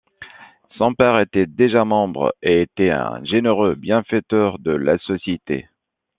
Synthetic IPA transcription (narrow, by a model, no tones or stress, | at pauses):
sɑ̃pɛʁet̪ɛd̪eʒamɑ̃bʁeːt̪ɛɛ̰̃ʒeneʁøbjɛ̃fɛt̪œʁd̪əla̰sɔsjet̪ḛ